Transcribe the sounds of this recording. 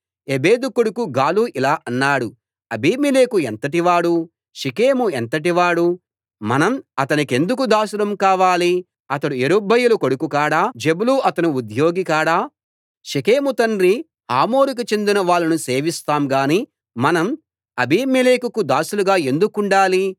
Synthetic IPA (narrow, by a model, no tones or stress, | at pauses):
ebeːd̪ukoɽukuɡaːluːʔilaːʔɐnːaːɽu | ɐbiːmileːkuent̪ɐʈ̬iʋaːɽu | ʃike̞ːmuent̪ɐʈ̬iʋaːɽu | mɐnɐmɐt̪ɐnike̞nd̪ukud̪aːsulɐmkaːʋaːli | ɐt̪ɐɽueɾubɐjulukoɽukukaːɽaːd͡ʒebuluɐt̪ɐnuud̪jo̞ːɡikaːɽaː | ʃikeːmut̪ɐnɾi | ha̰ːmo̞ːɾukit͡ʃe̞nd̪inɐʋaːɭːɐnuse̞ːʋist̪aːmɡaːniː | mɐnɐm | ɐbiːmileːkukud̪aːsuluɡaːe̞nd̪ukuɳɖaːli